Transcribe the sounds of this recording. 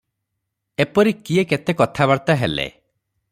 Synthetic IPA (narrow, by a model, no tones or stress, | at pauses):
epɔɾikieket̪ekɔt̪ʰaβaɾt̪aɦelḛ